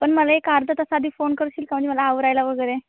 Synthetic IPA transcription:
pəɳməlaekaɾd̪ʱət̪əsaːd̪ʱiːfonkəɾɕiːlkam̤əɳd͡ʑeməlaːʋəɾajlaʋəɡəjɾe

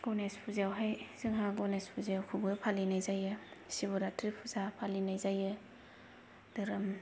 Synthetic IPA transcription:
ɡ̥ɔnespʰuzawɦajz̥ɯŋɦaɡɔnespʰuzawkʰubɯpʰalinajzajɯsiβɔɾatɾipʰuzapʰalinajzajɯ | dɯɾɯm

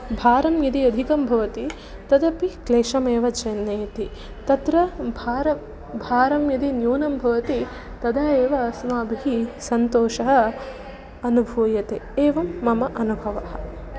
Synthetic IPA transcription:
bʱaːɾɐmjɐd̪iɐd̪ʱikɐmbʱɐʋɐt̪i | t̪ɐd̪ɐpikleːʃɐmeːʋɐt͡ʃɐnːɐjɐt̪i | t̪ɐt̪ɾɐbʱaːɾɐ | bʱaːɾɐmjɐd̪injuːnɐmbʱɐʋɐt̪i | t̪ɐd̪ɐeːʋɐsmaːbʱiɦisɐnt̪oːʃɐɦɐ̆ | ɐnubʱuːjɐt̪eːeːʋɐmːɐmɐʔɐnubʱɐʋɐɦɐ̰̆

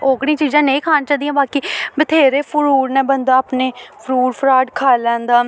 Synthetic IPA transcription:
oːkɽĩːt͡ʃiːzãːnẽĩːkʰaːnt͡ʃaːd̪ĩjãːbaːkiːbət̪ʰeːɾeːpʰʊɾuːɾnɛ̃ːbənd̪aːpneːpʰəɾuːɾpʰɾaːɖkʰaːlɛ̃ːnd̪aː

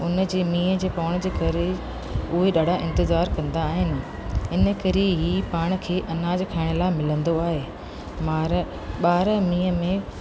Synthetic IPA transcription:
ʊnə̆d͡ʑeːmĩːəd͡ʑeːpaːɽ̃̆d͡ʑeːkɐɾe | ʊɦeɗaːɽ̤ʱaʔɪ̃nt̪ɪzaːɾkɐ̃nd̪aːɦɪnɪ̆ | ɪnə̆kɐɾeɦiːpaːɽ̃̆kʰeːʔɐnaːd͡ʑkʰaːɪɽ̃laːɪmɪlə̃nd̪oaːɦeː | maːɾ | ɓaːɾəmĩːəmẽ

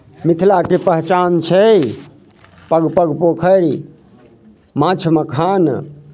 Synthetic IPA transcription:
mit̪ʰlakepəɦt͡ʃant͡ʃʰɛ | pəɡpəɡpokʰəɾi | mãt͡ʃʰməkʰan

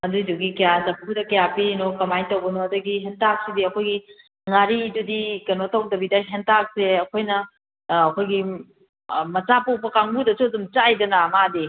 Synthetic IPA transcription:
ɐduduɡikɐjazɐpkʰudɐkɐjapiɾinokɐmajtɐwbɐnoɐduɡiɦentak̚sidiɐkʰojɡi | ŋaɾidudikɐnotɐwdɐbidɐɦentak̚seɐkʰojnɐː | kʰojɡi | mɐt͡ʃapowpʰɐkaŋbudɐsudumt͡ʃajdɐnaːmade

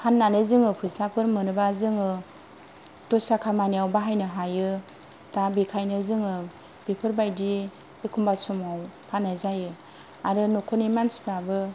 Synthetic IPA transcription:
hanːanɯzɯŋɯpʰɯsapʰɯɾmɯnɯbazɯŋɯ | tɔsakʰamaniawbaɦajnɯɦajɯ | tabikʰajnɯzɯŋɯ | b̥ipʰɯɾbajdi | ekʰumbasumawpʰanɯzajɯ | aɾɯnukʰɔnimansbabɯ

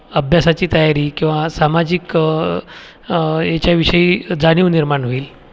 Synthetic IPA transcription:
əbʱjasat͡ɕiːt̪əjaɾiːkĩw̃ʋasamad͡ʑik | jet͡ɕjaʋiʂəiːd͡zaniʋniɾmaɳɦoiːl

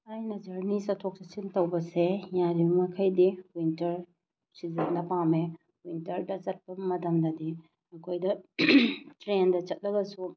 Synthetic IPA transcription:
ajnɐd͡ʒɐɾnisɐtʰok̚tɐsintɐwbɐsejaɾibɐmɐkʰɐjdiwintɐɾ | sizɐŋdɐpame | wintɐɾdɐt͡ʃɐt̚pɐmɐtɐmdɐdi | ɐkʰojdɐ | tɾendɐt͡ʃɐt̚lɐɡɐsu

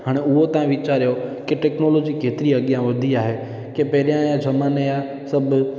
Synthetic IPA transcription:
ɦaːɽ̃eʊɦot̪ɐʋãʋit͡ʃaːɾjokeʈɛːknoːloːd͡ʒikʰeːt̪ɪɾiəɠɪjãʋɐd̪ʱiaːɦe | kepɛɾijãjãd͡ʒʱɐmaneja | sɐbʱ

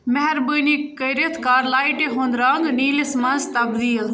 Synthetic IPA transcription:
mɐɦɛɾbunikkɐɾit̪ʰkaːɾlaːiʈeɦõːnd̪ɾaŋɡniːlismɐnst̪ɐbd̪iːl

